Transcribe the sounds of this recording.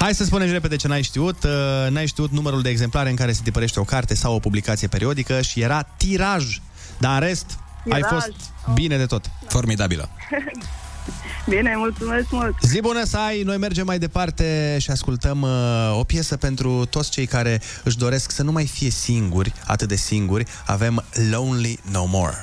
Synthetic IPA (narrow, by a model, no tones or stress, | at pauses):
hajsəspune̞msre̞p̬e̞d̪e̞t͡ʃe̞najʃt̪iut̪najʃt̪iut̪numəɾuld̪eːɡze̞mplaɾeɨŋkaɾe̞sed̪ipəɾe̞ʃt̪e̞o̞kart̪e̞sawo̞publikat̪sije̞pe̞ɾio̞d̪ikəʃije̞ɾat̪iɾaʒ | d̪aɨnɾe̞st̪ | ajfo̞sbine̞d̪e̞t̪o̞t̪fo̞rmid̪abḭlə̰ | binemult̪sumesmult̪zibunəsajno̞jme̞rd͡ʒe̞mːajd̪e̞part̪e̞ʃiaskult̪əmo̞pje̞səpe̞nt̪ɾut̪o̞t̪sʲt͡ʃejkaɾe̞ | ɨʃ̬d̪o̞ɾe̞sksənumajfije̞siŋɡurʲa̰t̪ɨt̪̚d̪e̞siŋɡurʲ | a̰ve̞mlownlinowmo̞̰r